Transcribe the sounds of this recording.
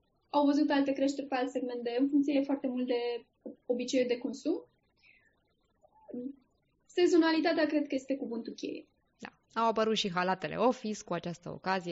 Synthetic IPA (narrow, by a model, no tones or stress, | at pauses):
awvəzut̪alt̪e̞kɾe̞ʃt̪erʲpe̞alt̪se̞ɡme̞nt̪d̪e̞ɨnfuŋkt̪sijefoart̪e̞mult̪̚d̪e̞ | o̞bit͡ʃe̞jud̪e̞ko̞nsum | se̞ɡzo̞nalit̪at̪eakɾe̞d̪̚kəje̞st̪e̞kubunt̪ukʲe̞̰jḛ | d̪a | awapəɾut̪ʃiɦalat̪e̞lḛo̞fiskuat͡ʃast̪əo̰kazije